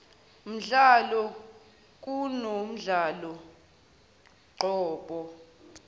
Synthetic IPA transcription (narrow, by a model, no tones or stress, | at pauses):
m̩ɮalɔ | k̬ʼunom̩ɮalɔ | ǃɔːɓɔ